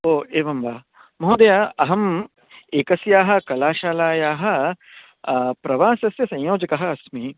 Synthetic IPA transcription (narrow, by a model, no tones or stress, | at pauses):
oːeːʋɐmʋaː | mɐɦoːd̪ɐjaɐɦɐm | eːkɐsjaːɦɐ̆kɐlaːʃaːlaːjaːɦɐ̆ | pɾɐʋaːsɐsjɐsɐ̃joːd͡ʒɐkɐɦɐɐsmi